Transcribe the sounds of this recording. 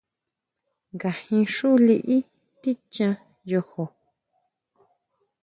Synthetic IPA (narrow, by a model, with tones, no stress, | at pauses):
ŋɡa˨hĩ˧ʂu˦li˧ʔi˦ | t̪i˦t͡ʃã˧ | jo˧ho˨